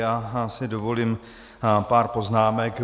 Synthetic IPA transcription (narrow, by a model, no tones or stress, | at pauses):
jaːsɪdovo̞liːm | paːɾpo̞znaːmɛk